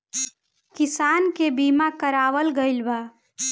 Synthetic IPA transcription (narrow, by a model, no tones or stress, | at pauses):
kɪsankebimakəɾaːʋəlɡəɪlba